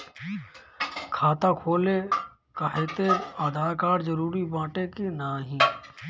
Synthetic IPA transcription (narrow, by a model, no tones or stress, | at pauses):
kʰaːt̪akʰoːle | kaɦet̪eaːd̪ʱaːɾkaːɾzəɾuːɾibãːʈekenaːɦĩː